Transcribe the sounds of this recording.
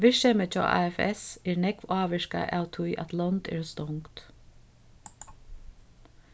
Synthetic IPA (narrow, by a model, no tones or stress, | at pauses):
ʋɪʃɛmət͡ʃɔ̰ːʔɑ̰ːɛfɛ̰sɛːɹnɛkʋɑːʋɛʃka̰ʔæːwt̪ʰʊjʔæ̰t̪lɔnt̪ɛ̰ːɹst̪ɔŋkt̪